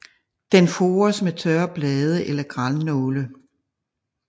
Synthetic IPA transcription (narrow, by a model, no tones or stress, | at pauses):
d̥enfoːɐsmet͡sʰɶɐb̥lɛːð̞ˠəʔelɐɡ̥ʁalnɔːlə